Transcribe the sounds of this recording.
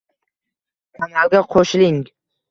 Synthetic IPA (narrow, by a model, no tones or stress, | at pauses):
kʰanalˠɡʲaqʰoʃɪlɪŋ